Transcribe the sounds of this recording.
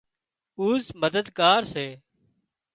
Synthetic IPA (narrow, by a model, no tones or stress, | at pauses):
uːzməd̪əd̪kaːɾseː